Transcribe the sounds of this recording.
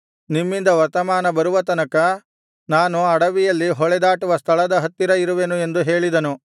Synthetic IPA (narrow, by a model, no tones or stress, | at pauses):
nimːind̪ɐʋɐɾt̪ɐmaːnɐbɐɾuʋɐt̪ɐnɐkɐ | naːnuɐɽɐʋijɐlːiɦɔɭɛd̪aːʈuʋɐst̪ʰɐɭɐd̪ɐɦɐt̪ːiɾɐiɾuʋe̞nue̞nd̪uɦe̞ːɭid̪ɐnu